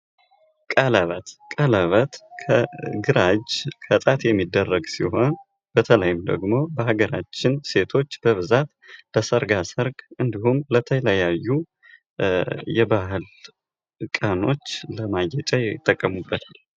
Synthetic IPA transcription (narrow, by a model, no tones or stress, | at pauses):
kʼələβət̪kʼələβət̪kʰəɡɨɾad͡ʒkʰət̪ʼat̪jɛmːid̪ːərːəɡsḭɦo̞n | b̥ət̪ʰələjɪmd̪ə̰ɡmo̞bəhaɡəɾat͡ʃːɪnse̞t̪ʰo̞t͡ʃːb̥əβɨzat̪ləsəɾɡasəɾɡʔɨnd̪ihumlət̪ʰələjajːu | jɛbahɨl | kʼano̞t͡ʃːləmajɛt͡ʃʼajɛt̪ʼːəkʼːəmubːət̪ʰal